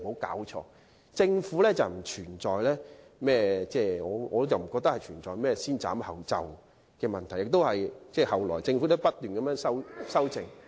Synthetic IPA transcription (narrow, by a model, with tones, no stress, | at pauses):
ho˨˥wka̰ː˨˥wt͡ʃʰɔ̰ː˧ | t͡sɪ˧ŋfuː˨˥lɛː˥t͡sɐ˨wm̩˨˩t͡ʃʰyː˨˩nt͡sɔː˨jlɛː˥ | mɛː˥˩t͡sɛː˥˩ŋɔː˨˧ɔː˨˧˥jɐ˨wm̩˨˩kɔː˧k̚t̪ɐ˥khɐ˨jt͡ʃʰyː˨˩nt͡sɔː˨˩jmɛː˥siː˥nt͡sa̰ː˨˥mhɐ˨wt͡sɐ̰˨w | kɛː˧mɐ˨˩nt̪ʰɐ˨˩jɪ˨k̚t̪o˥whɐ˨jt͡sɛː˥˩hɐ˨˩wlɔː˨˩jt͡sɪ˧ŋfu˨˧˥t̪o˥pɐ˥t̚t̪yː˨nkɐ˨˦mjœː˨˥ŋsɐ˥wsɐ˥wt͡sɪ˧ŋ